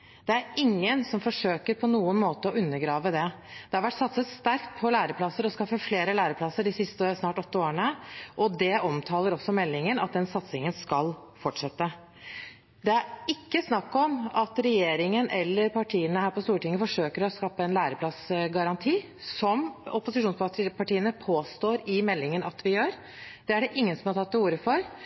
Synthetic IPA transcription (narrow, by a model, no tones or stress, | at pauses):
d̪̥ɛæɾɪŋːənsɔmfɔʂøːkəɾpʰɔnuːənmoːt̪əɔʉnːəɾɡɾɑːʋəd̪ɛ | d̪̥ɛhɑɾʋæʈːsɑt̪səsst̪æɾkt̪̚pʰɔlæːɾəpʰlɑsəɾɔskɑfːəfleːɾəlæːɾəpʰlɑsːəɖɪsɪst̪əsnɑːʈɔt̪ːəoːɾəɳəʔɔd̪ɛʔɔmt̪ʰɑːləɾɔsːɔmɛlːɪŋənɑt̪̚d̪ɛnsɑt̪sɪŋənskɑlfɔʈʂɛt̪ːə | d̪ɛæɾɪkːəsnɑkːɔmɑt̪ɾɛjeːɾɪŋənʔɛlːəɾpʰɑʈʰiːənəhæːɾpɔst̪uːʈɪŋəfɔʂøːkəɾɔskɑːpːəɛnlæːɾəpʰlɑsɡɑɾɑnt̪ʰiː | sɔmɔpʊsɪʂuːnspɑpɑʈiːənəpʰoːst̪oːɾɪmɛlːɪŋənɑt̪ʋɪjøːɾ | d̪̥ɛæɖɛʔɪŋːənsɔmhɑɾʈ̪ʰɑt̪ːɛuːɾəfɔɾ